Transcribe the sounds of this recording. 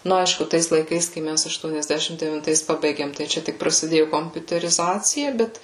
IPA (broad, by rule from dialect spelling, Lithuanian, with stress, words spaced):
ˈnʊ ˈɐɪʃkʊ ˈtɐɪs lˠɐɪˈkɐɪs kɐɪ ˈmʲæs ɐʃtuɔnʲɛzʲˈdʲæːʃʲɪm dʲɛʋʲɪnˈtɐɪs ˈpɑːbɐɪɡʲeːm tɐɪ ˈt͡ʃʲɛ tʲɪk prɐsʲɪˈdʲeːjʊ koːmʲpʲʊtʲɛrʲɪˈzɑːt͡sʲɪjɛ ˈbʲɛt